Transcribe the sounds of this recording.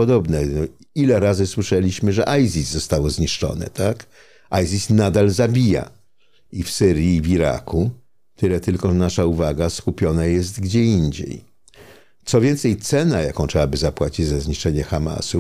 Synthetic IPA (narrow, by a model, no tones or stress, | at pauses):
ɔd̪ɔbnɛ | ilɛɾazɘswɘʂɛlʲiɕmɘʐɛʔajzʲizːɔst̪awɔzɲiʂt͡ʂɔ̰nɛ̰t̪ak | ajzʲisnad̪alzabʲija̰ | ifsɘɾʲjiːvʲiɾa̰kʰu | t̪ɘlɛt̪ɘlkɔʐɛnaʂauvaɡaskupʲjɔnajɛs̬t̪ɡd͡ʑɛiɲd͡ʑḛj | t̪sɔvʲjɛnt̪sɛjt̪sɛnajakɔ̃w̃tʂɛwabɘzapwat͡ɕid͡ʑzazɲiʂt͡ʂɛɲɛxama̰su